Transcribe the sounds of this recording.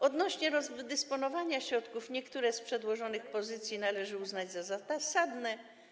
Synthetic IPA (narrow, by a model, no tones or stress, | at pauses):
ɔd̪nɔɕɲɛɾɔzd̪ɛspɔnɔvaɲaɕɾɔt̪kufɲɛkt̪uɾɛspʂɛd̪wɔʐɔnɘxpɔzɘt̪sʲjinalɛʐɘuznad͡ʑzazat̪asad̪nɛ